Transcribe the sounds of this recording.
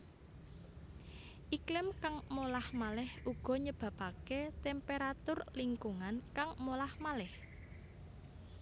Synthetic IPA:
ʔiklɪmkaŋmolahmalɪhuɡ̥ɔ̤ɲəb̥a̤paket̪ɛmpeɾat̪ʊrliŋkuŋankaŋmolahmalɛh

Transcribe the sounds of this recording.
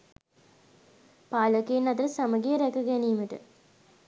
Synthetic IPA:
paːləkeːnːat̪əɾəsaməɡijəɾɛkəɡæniːməʈə̰

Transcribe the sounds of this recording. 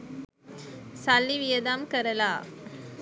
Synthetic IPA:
sɐlːiʋɪjɐd̪aːmkɐɾɐlaː

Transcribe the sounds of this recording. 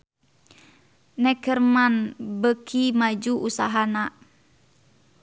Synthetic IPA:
nɛkərmanbəkʰimad͡ʒuʔusaɦana

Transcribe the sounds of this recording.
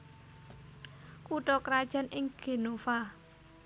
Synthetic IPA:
kuʈɔkəɾad̥ʒ̥a̤nʔɪŋɡ̥e̤nofa

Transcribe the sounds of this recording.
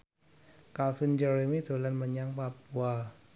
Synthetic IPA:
kafind͡ʒəɾemid̪̥o̤lanməɲaŋpap̚ua

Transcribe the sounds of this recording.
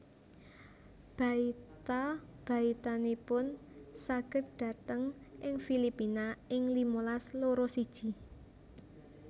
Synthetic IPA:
b̥ä̤it̪ab̥ä̤it̪anipʊnsaɡ̥ə̤t̪̚ɖ̥ä̤t̪əŋʔɪŋfilipinaɪŋlimolasloɾosid̥ʒ̥i̤

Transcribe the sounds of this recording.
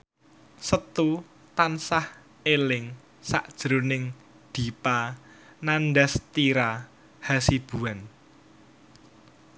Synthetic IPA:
sət̪u | t̪ansah | elɪŋ | sa̰ʔd̥ʒ̥ɾonɪŋ | d̪̥i̤pa | nanɖast̪iɾa | hasib̥ṳan

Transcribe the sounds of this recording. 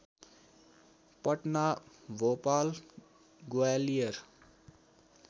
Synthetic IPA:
pʌʈnabʱopal | ɡoalijʌɾ

